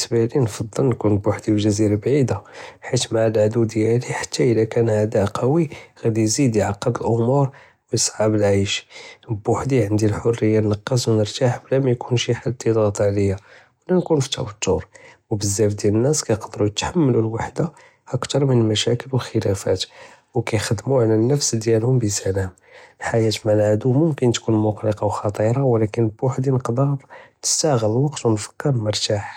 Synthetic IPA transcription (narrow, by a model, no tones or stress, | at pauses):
əsbælinfɑd̪ˤːəlnkunbʊħd̪iwlʒæziɾabʕid̪aħit̪maʕalʕd̪ud̪jæliħḁt̪ːaʔəlækænʕad̪æʔqɑwiɣæd̪ijzid̪jʕɑqːəb̪əlʔʊmuɾˤ | wjəsˤʕɑbəlʕajʃbːʊħd̪iʕənd̪ilħorːəjːanːɑqːɑswnəɾt̪aħblæmæjkʰunʃiħalt̪id̪ˤɣɑt̪ˤʕləjːa | wlænkunfi̥t̪ːæ̰wət̪ːuɾwbəzːæfd̪jælənːæskæjqd̪ɾujət̪ħamːlulwaħd̪a | ʔəkt̪ɑɾˤmənəlmæʃækəlwəlxəlæfæ̰t̪ | wkæjxəd̪ːmuʕalænːəfsd̪jælhʊmbəsælæm | lħajæt̪mælʕad̪umʊmkənt̪kunmʊqləqɑwxɑt̪ˤiɾˤɑwlækənəlbʊħd̪inəqd̪ɑnəst̪æɣælwɑqt̪wənfə̥kːɑɾˤlməɾˤt̪aħ